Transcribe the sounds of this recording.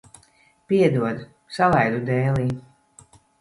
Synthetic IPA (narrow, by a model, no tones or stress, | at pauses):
piɛd̪uɔd̪ | salˠajd̪ud̪ɛːlˠiː